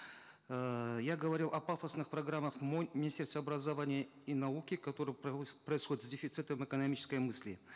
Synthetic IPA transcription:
jaɡəvɐɾʲilˠʔɐpafəsnɨxprɐɡramːəχmmʲɪnʲɪsʲtʲerst̪vəɐbɾɐzɐvanʲɪjə | inɐukʲɪkɐt̪o̞ɾɨjpɾəɪsxodʲɪt̪zʲdʲɪfʲɪt̪sɨt̪əmɛkənɐmʲit͡ɕɪ̥skəjmɨsʲlʲɪ

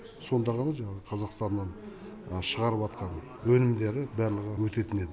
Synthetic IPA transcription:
so̞nd̪ɑʁɑnɑʒɑɴɑʁəqʰɑzɑqst̪ɑnːɑn | əʃəʁɑɾəpɑt̪qɑn | wɵnɪmd̪e̞ɾɪbæɾlˠəʁəwɵt̪e̞t̪ɪne̞d̪ɪ

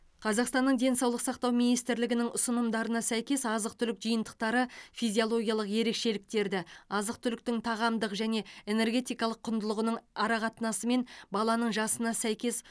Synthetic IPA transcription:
qʰɑzɑqst̪ɑnːəɴd̪e̞nsɑwlˠəqsɑqt̪ɑwmijnijst̪ɪɾlɪɡʲɪnɪŋʊsənəmd̪ɑɾənɑsæjkʲe̞sɑzəq̚t̪ʰʏlɪkʒəjənd̪əq̚t̪ɑɾəfijzʲijolˠo̞ɡʲijɑlˠəqje̞ɾe̞kʃe̞lɪk̚t̪e̞ɾd̪ɪɑzəq̚t̪ʰʏlɪk̚t̪ɪŋt̪ʰɑʁɑmd̪əqʒæne̞e̞ne̞ɾɡʲe̞t̪ijkɑlˠəqʰːʊnd̪əlˠəʁənəɴɑɾɑqɑt̪ənɑsəme̞nbɑlˠɑnəɴʒɑsənɑsæjkʲe̞s

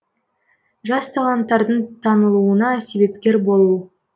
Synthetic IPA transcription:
ʒɑst̪ʰɑlˠɑnt̪ːɑɾd̪əɴt̪ʰɑnəlˠuənɑse̞βe̞p̚kʲe̞ɾbo̞lˠuə

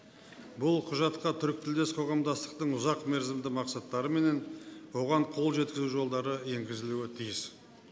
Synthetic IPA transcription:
bʊlˠqʰʊʒɑt̪qɑt̪ʰʏɾk̚t̪ɪld̪e̞sqʰo̞ʁɑmd̪ɑst̪ə̥qt̪əɴʊzɑqmeɾzɪmd̪ɪmɑqsɑt̪ːɑɾəme̞ne̞nwo̞ʁɑɴqʰo̞lˠʒe̞t̪̚kʲɪzuʒo̞lˠd̪ɑɾəje̞ŋɡʲɪzɪluɪt̪ʰijɪs

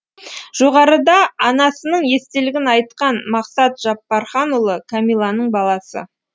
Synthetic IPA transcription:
ʒ̥o̞ʁɑɾəd̪ɑːnɑsənəɴje̞st̪e̞lɪɡʲɪnɑjt̪qɑnmɑqsɑt̪ʒ̥ɑpːɑɾχɑnulˠəkʰamijlˠɑnəɴbɑlˠɑsə̰

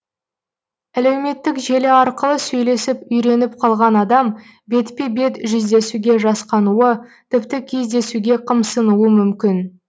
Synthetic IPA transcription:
æle̞wme̞t̪ːɪkʒe̞lɪɑɾqəlˠəsɵjle̞sɪpʏjɾe̞nɪp̚qʰɑlˠʁɑnɑd̪ɑm | be̞t̪pebe̞t̪ʒʏzd̪e̞suɡʲe̞ʒɑsqɑnuət̪ʰɪpt̪ɪkʲʰe̞zd̪e̞suɡʲe̞qʰəmsənuwəmʏmkʲɪn

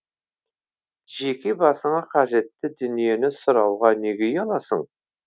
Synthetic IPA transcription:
ʒekʲebɑsəɴɑqʰɑʒe̞t̪ːɪd̪ʏnije̞nɪsʊɾɑwʁɑneɡʲejɑlˠɑsə̰ɴ

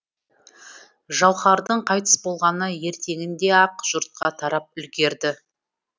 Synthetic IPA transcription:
ʒɑwχɑɾd̪əɴqʰɑjt̪ə̥sbo̞lˠʁɑnəje̞ɾt̪e̞ŋɪnd̪e̞ɑqʒ̥ʊɾt̪̚qɑt̪ʰɑɾɑp̚ʏlɡʲe̞ɾd̪ɪ

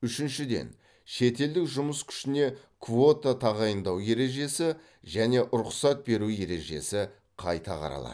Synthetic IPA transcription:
ʏʃɪnʃɪd̪e̞̰n | ʃe̞t̪e̞ld̪ɪkʒʊməskʲʰʏ̥ʃɪne̞ | kʰvo̞t̪at̪ʰɑʁɑjənd̪ɑwje̞ɾe̞ʒe̞sɪ | ʒæne̞ʔʊɾʊqsɑt̪̚be̞ɾuje̞ɾe̞̰ʒe̞̰sɪ | qʰɑ̰jt̪ɑqʰɑ̰ɾɑ̰lˠɑ̰d̪

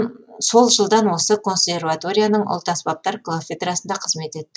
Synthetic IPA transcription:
so̞lˠʒəlˠd̪ɑnwo̞səkʰo̞nsʲe̞rvat̪o̞ɾʲijanəɴʊ̰lˠt̪ɑsbɑp̚t̪ɑɾklˠofʲed̪rɑsənd̪ɑqʰəzme̞t̪e̞t̪ːɪ

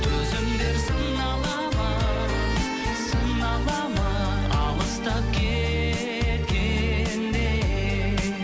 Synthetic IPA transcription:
t̪ʰɵzɪmd̪eɾsəŋ | ɑlˠɑ | mɑ | səŋɑlˠɑmɑ | ɑ̰lˠəst̪ɑp̚kʲʰe | lɡʲend̪e

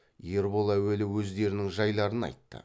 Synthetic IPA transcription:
je̞ɾbo̞lˠæwe̞lɪwɵzd̪e̞ɾɪnɪŋʒɑjlˠɑɾənɑ̰jt̪ːə̰

